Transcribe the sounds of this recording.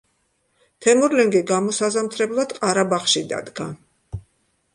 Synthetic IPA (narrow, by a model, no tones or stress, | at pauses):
t̪ʰɛmɔɾlɛŋɡiɡamɔsazamt̪ʰɾɛblˠad̪̥qʼaɾabaχʃid̪a̰d̪ɡa